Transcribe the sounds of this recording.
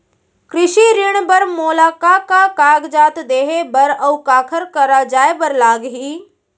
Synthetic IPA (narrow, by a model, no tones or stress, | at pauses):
kɾɪʃiɾɪɽ̃bəɾmoːlaːkakakaːɡd͡ʒaːt̪d̪eːɦebəɾəwkaːkʰəɾkəɾad͡ʒaːebəɾlaːɡɦiː